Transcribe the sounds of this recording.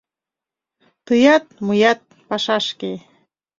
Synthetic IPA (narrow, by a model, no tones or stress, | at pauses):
t̪əjɑt̪̚mujɑt̪̚ | pɑʃɑʃke